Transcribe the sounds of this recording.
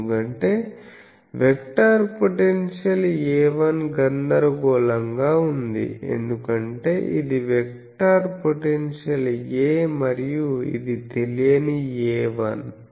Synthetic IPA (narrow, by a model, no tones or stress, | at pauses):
ukɐɳʈe̞ː | ʋekʈaːɾpoʈenʂɐlɛːʋɐnɡɐnd̪ɐɾɐɡɔːlɐŋɡaːund̪ḭe̞̰nd̪ukɐɳʈe̞ːʔid̪iʋek̚ | ʈaːɾpoʈenʂɐleːmɐɾijuḭd̪it̪e̞lijɐniɛːʋɐn